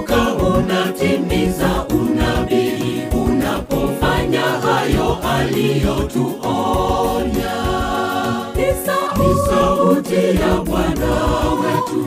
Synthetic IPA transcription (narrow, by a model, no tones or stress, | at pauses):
kaβɔnatɛmbɛzaʔunabeunapɔfaɲaajɔʔalijɔtuʔɔɲa | musautɛjabwanaw